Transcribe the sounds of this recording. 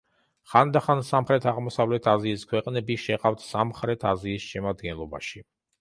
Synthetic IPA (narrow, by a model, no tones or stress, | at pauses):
χand̪aχansamχɾɛt̪ʰaʁmɔsavlɛt̪ʰaziːskʰwɛqʼnɛbiʃɛqʼaft̪ʰsamχɾɛt̪ʰaziːsʃɛmad̪ɡɛnlˠɔba̰ʃi